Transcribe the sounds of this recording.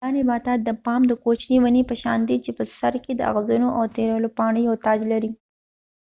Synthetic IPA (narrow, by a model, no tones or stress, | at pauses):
ɑnebɑt̪ad̪ːəpɑmd̪əkot͡ʃnewanepəʃɑ̰nd̪it͡ʃepəsaɾked̪əa̰ɣzunoʔawt̪eɾəlopɑɳəjawt̪ɑd͡ʒlaɾi